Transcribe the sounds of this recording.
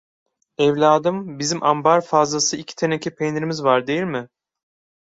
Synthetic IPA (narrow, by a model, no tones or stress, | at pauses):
ɛvlʲaːd̪ɯmbizimʔambaɾfazlˠasɯicʰi̥t̪ʰenecʰipʰenɾimizvaɾd̪e̞jilʲmɪ